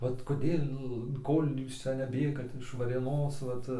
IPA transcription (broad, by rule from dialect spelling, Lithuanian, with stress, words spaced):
ˈʋɐt koːˈdʲeːlˠ ˈkoːlʲ ˈjuːs ˈt͡sʲɛ nʲɛˈbʲeːɡɐt ɪʃ ʋɐrʲeːˈnoːs ˈʋɐt